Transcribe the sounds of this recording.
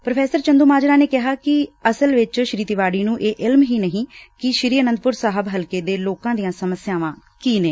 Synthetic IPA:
pɾəpʰɛːsəɾt͡ʃənd̪uːmaːd͡ʒɾaːneːkɪɦaːkɪəsəlʋɪt͡ʃʃɾiːt̪iʋaːɽiːnũːʔeːʔɪlmɦiːnəɦĩːkɪʃɾiːənənd̪̚pʊɾsaːɦəbɦəlkeːd̪eːloːkãːd̪ijãːsəməsjaːʋãː | kiːneː

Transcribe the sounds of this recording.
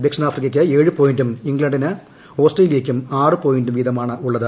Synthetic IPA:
d̪ekʂɐnaːfriɣɐkʲːɨe̞ːɻɨpo̞ːjindumiŋɡɭɐɳɖinɨ | ho̞ːsʈɐlile̞ːkʲːumaːrɨpo̞ːjindumʋid̪ɐmaːɳɨʔuɭːɐðɨ

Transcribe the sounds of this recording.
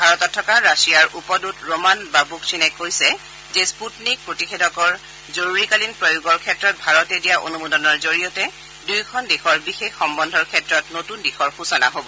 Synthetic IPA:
bʱaɹɔtɔtʰːɔkaɹasijaɹʔupɔdutɹomanbabuksinɛkojsɛ | zɛsputnik̚pɹotixedʱɔkɔɹ | zoɹuɹikalinpɹojuɡɔɹkʰɛtɹɔt̚bʱaɹɔtɛdijaʔo̰numudɔnɔɹzoɹijɔtɛ | dujkʰɔndexɔɹbixexːɔmbɔndʱɔɹkʰɛtɹɔtnotundixɔɹxusɔna̰ɦobɔ

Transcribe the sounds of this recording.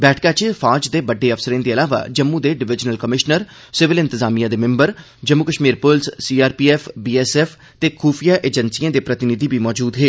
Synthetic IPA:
bɛːʈʰkaːt͡ʃefʰaːd͡ʒd̪eːbəɖːeːəfsəɾẽːd̪eːəlaːʋa̰ːd͡ʒəmːũːd̪eːɖɪʋɪd͡ʒnəlkəmɪʃnəɾ | sɪʋɪlɪ̃nt̪əzaːmijãːd̪eːmɪ̃mbəɾ | d͡ʒəmːukəʃmiːɾpʊlssiːaːɾpiːɛːfbiːɛːsɛːfʰ | t̪eːkʰuːfʰijaːʔeːd͡ʒənsiãːd̪eːpɾət̪ɪnɪd̪iːbiːmɔːd͡ʒuːd̪ɦeː

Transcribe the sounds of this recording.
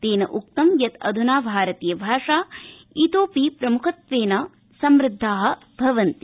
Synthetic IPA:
t̪eːnɐ̰ʔuk̚t̪ɐmjɐt̪ɐ̰d̪ʱunaːbʱaːɾɐt̪ijɐbʱaːʂaːit̪oːpiːpɾɐmukʰɐt̪ʋeːnɐ | sɐmɾɪd̪ʱːaːɦɐ̆ | bʱɐʋɐnt̪i

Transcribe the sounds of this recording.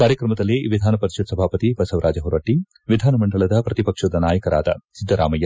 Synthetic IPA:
kaːɾjɐkɾɐmɐd̪ɐlːiʋid̪ʱaːnɐpɐɾiʃɐd̪sɐbʱaːpɐt̪ibɐsɐʋɾʔaːd͡ʒɐɦuɾɐʈi | ʋid̪ʱaːnɐmɐɳɖɐɭɐd̪ɐpɾɐt̪ipɐkʂɐd̪ɐnaːjɐkɐɾa̰ːd̪ɐ̰sid̪ʱːɐɾa̰ːmɐjɐ

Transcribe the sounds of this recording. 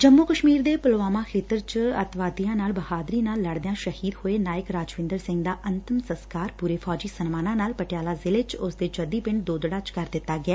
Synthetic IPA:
d͡ʒəmːoːkəʃmiːɾd̪eːpəlʋaːmãːkʰeːt̪əɾt͡ʃət̪ʋaːd̪ijãːnaːlbəhaːd̪ɾiːnaːlːəɽd̪ejãːʃəhiːd̪hoːeːnaːɪkɾaːd͡ʒʋɪ̃nd̪əɾsɪ̃ŋɡd̪aːʔənt̪əmsəskaːɾpuːɾeːpʰɔːd͡ʒiːsənmaːnãːnaːlpəʈɪjaːlaːzɪlɪt͡ʃʊsd̪eːd͡ʒəd̪iːpɪɳd̪oːd̪ɽaːt͡ʃkəɾd̪ɪt̪ːaːɡɪɛː

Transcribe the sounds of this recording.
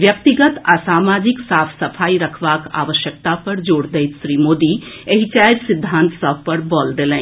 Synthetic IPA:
ʋjək̚t̪iɡət̪asaːmaːd͡ʒɪksaːpʰsəpʰaːiɾəkʰʋaːka̰ːʋəʃjək̚t̪apɐɾd͡ʒoːɽd̪eɪt̪ʃɾiːmoːd̪ieɦit͡ʃaːjɾsɪd̪ʱːãːnt̪səbʱpəɾbɔːld̪elɛ̃

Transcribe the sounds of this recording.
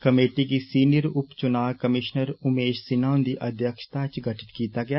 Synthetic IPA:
kɐmeːʈikisiːnɪjəɾʊpt͡ʃʊnaːʋkɐmɪʃnəɾʊmeːʃsɪnaːʊ̃nd̪iʔɐd̪ʱjəkʃt̪aːt͡ʃɡʱəʈɪ̥t̪kiːt̪aɡɐjaː

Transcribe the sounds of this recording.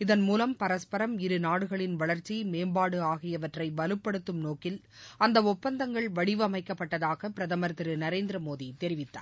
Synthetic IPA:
ɪðɐnmuːlɐmpɐɾɐspɐɾɐmɪɾɯnaːɽɯɣɐɭɪnʋɐɭɐɾt͡ʃimeːmbaːɽɯaːɣɪjɐʋɐʈrɐɪʋɐlɯpːɐɽɯt̪ːɯmnoːkɪl | ɐnd̪ɐɔpːɐnd̪ɐŋɡɐɭʋɐɽɪʋɯɐmɐɪkːɐpːɐʈːɐðaːɣɐpɪɾɐðɐmɐɾt̪ɪɾɯnɐɾeːnd̪ɾɐmoːðit̪ɛɾɪʋɪt̪ːa̰ː

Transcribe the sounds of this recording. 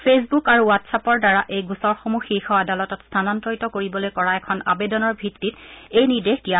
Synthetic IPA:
pʰes̬bukaɹuwatsapɔɹdaɹaʔejɡusɔɹxomuxixɔadalɔtɔtstʰanɔntɹɔjtɔkoɹibɔlojkɔɹaɛkʰɔna̰bedɔnɔɹbʱitːitejnidextija

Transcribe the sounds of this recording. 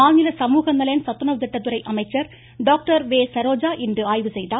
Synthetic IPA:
aːŋɪlɐsɐmuːɣɐnːɐlɐjɐnsɐt̪ːɯnɐʋt̪ɪʈːɐt̪ːɯɾɐɪʔɐmɐɪt͡ʃːɐɾ | ɖoːk̚ʈɐɾʋeːsɐɾoːd͡ʒaːʔɪndrɯaːjʋɯsɛjðaː

